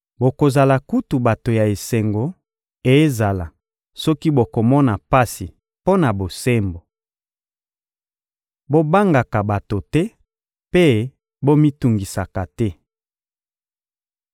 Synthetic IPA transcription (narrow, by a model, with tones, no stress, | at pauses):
bo˨ko˨za˨la˨ku˦tu˨ba˨to˨ja˨e˨se˨ŋɡo˨ | e˨˦za˨la˨ | sɔ˦ki˦bo˨ko˨mɔ˦na˨pa˦si˨ | po˦na˨bo˨se˦mbo˨ | bo˦ba˦ŋɡa˨ka˨ba˨to˨tɛ˦ | pe˦ | bo˦mi˦tu˨ŋɡi˨sa˨ka˨tɛ˦